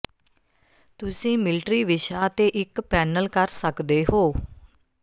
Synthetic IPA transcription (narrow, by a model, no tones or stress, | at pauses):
t̪ʊsĩːmɪlʈɾiːʋɪʃaːət̪eːʔɪkpɛːnəlkəɾsəkd̪eːɦoː